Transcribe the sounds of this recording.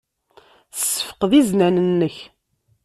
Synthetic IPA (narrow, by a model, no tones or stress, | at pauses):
sːə̥fə̥qðiznænənːəç